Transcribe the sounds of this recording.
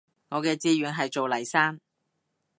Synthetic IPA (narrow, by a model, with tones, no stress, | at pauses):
ŋɔː˨˧kɛː˧t͡siː˧ɥyː˨˧nɦɐ˨jt͡so˨wlɐ˨˩jsaː˥n